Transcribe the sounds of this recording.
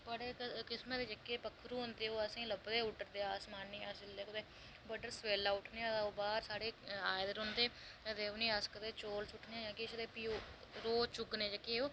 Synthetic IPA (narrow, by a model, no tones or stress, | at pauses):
pəɽeːkɪsmẽd̪eːd͡ʒəkːeːpəkʰːɾũːɦʊnd̪eːoːəsĩːləbd̪eːʊʈːəɾd̪eːaːsmaːnːĩːaːsɪlːeːkʊd̪eː | bəɖəɾsweːlaːʊʈneːãːd̪aːoːbaːɾsaːɽeːaːjd̪əɾɦʊ̃nd̪eːəd̪eːnĩːaːskəd̪eːt͡ʃoːlsʊʈʰnẽːjãːkɪsd̪eːpiː | ɾoːt͡ʃʊɡneːd͡ʒəkːeːoː